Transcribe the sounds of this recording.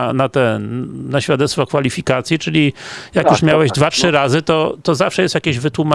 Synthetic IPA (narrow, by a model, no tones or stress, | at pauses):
nat̪ɛnaɕfʲjad̪ɛt̪t̪fɔkfalʲifʲikat̪sʲjit͡ʂɘlʲijakjuʂmʲjawɛʑd̪vatʂɘɾazɘt̪ɔt̪ɔzafʂɛjɛst̪jakʲeʑvɘt̪wuma